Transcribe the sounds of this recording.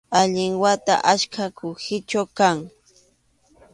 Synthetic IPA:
aʎɪŋwat̪a̰ʔaʃkʰakʊhɪt͡ʃawkaŋ

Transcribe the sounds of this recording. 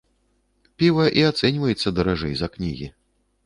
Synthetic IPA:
pʲivɐʔiat̪sɛnʲvɐjɛt̪sːɐd̪ɐɾaʐɛjzɐknʲiɣʲḭ

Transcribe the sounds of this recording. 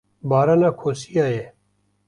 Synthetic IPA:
baːɾanakʰoːsijaːe

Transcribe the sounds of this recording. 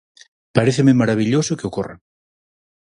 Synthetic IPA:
paɾeθememaɾaβ̞iʎosokeokorḛ

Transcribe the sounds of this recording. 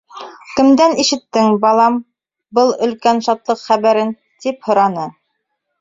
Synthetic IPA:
kɘ̆md̪æniʃɘ̆t̪ːɘŋbɑlˠɑm | bɤlˠɵ̆lkænʃɑt̪lˠɤqχæβæɾɘn | t̪iphŏɾɑnɤ

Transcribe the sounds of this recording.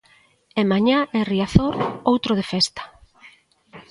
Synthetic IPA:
emaɲaeriaθoɾowt̪ɾoðefɛst̪ḁ

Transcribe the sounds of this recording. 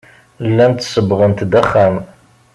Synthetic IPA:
lːænt̪səbʁənt̪d̪æχam

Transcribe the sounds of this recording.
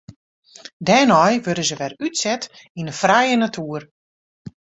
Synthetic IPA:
dɛːnɔjʋødəzəʋɛrytsɛt | inəfrajənatʰuər

